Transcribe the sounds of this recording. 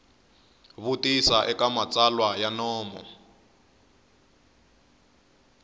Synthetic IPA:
βutisaʔɛkamat͡salwajanɔːmɔ̰

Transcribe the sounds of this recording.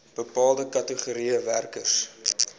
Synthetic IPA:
b̥əpɑːlˠdəkɐtəχuɾiəværkərs

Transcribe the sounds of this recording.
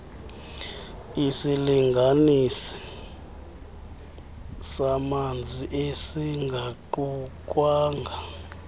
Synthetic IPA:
isiliŋɡʱanisi̥ | samand͡zʱiʔesiŋɡʱaǃuk̬ʼwaːŋɡʱa

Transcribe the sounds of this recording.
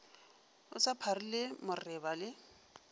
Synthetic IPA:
ʊsapʰarilɪmʊrɪbalɪ

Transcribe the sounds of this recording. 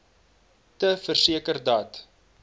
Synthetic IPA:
təfərsiəkərdɑːt

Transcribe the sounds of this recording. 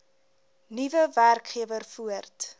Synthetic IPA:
nivəværkχiəvərfuərt

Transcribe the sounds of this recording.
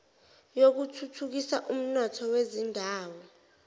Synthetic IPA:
jok̬utʰutʰuk̬isaʔum̩nɔtʰɔwezindʱaːwɔ

